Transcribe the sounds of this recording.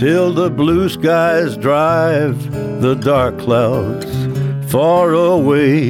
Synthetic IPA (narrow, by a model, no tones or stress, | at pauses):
tʰɪlˠðəbluskaɪzdɹaɪv | ðədɑɹkʰl̥aʊdz̥fɑɹəweɪ